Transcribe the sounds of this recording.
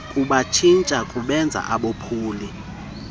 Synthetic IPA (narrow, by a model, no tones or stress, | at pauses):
kʼuɓat͡ʃʰint͡ʃʼakʼuɓɛnd͡zʱa̰ʔaɓopʰuːli